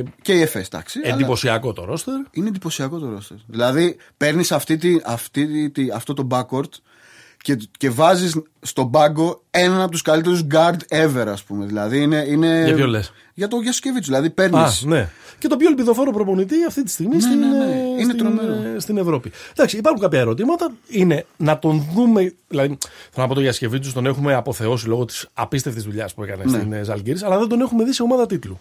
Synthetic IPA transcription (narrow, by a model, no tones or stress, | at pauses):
ce̞iefest̪ɐ̰ksienld̪ipo̞siɐko̞t̪o̰ɾo̞st̪eɾinend̪ipo̞siɐko̞t̪o̞ɾo̞st̪eɾðilɐði | pe̞ɾnisɐft̪it̪iʔɐft̪it̪iɐft̪o̞t̪o̞bɐko̞ɾt̪ | cece̞vɐzis | st̪o̞bɐɡo̞e̞nɐnɐp̬ot̪uskɐlit̪̬e̞ɾuzɡɐɾd̪e̞ve̞ɾɐspume̞ðilɐðiine̞ine̞ɐoles | ʝɐt̪o̞ʝɐsce̞vit͡s̪uzðilɐðipe̞ɾnisnece̞t̪opçoelpiðo̞fo̞ɾopɾopo̞nit̪̬iɐft̪it̪i̥st̪iɣmist̪inineɾomst̪inevɾo̞pid̪ɐksiːpɐɾxuŋkɐpçɐeɾo̞t̪̬imɐt̪ɐine̞nɐt̪o̞nðume̞ðilɐðiθelnɐpot̪oʝɐsce̞vit̪̬ust̪o̞ne̞xume̞ɐpo̞θe̞o̞silo̞ɣo̞t̪i̥sɐ̰pist̪e̞ft̪izðuʎɐspue̞kɐnesnezɐ̰lɟiɾisɐlɐðe̞d̪o̞ne̞xume̞ðiseo̞mɐðɐt̪it̪lu